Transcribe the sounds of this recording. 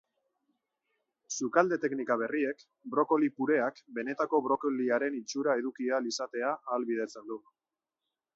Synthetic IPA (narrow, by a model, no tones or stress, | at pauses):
sukald̪e̞t̪e̞knikaβ̞e̞rie̞k | bɾo̞ko̞lipuɾe̞akbe̞ne̞t̪ako̞βɾo̞koliaɾe̞nit͡ʃuɾae̞ðukialisat̪e̞aːlβiðe̞t͡se̞nd̪u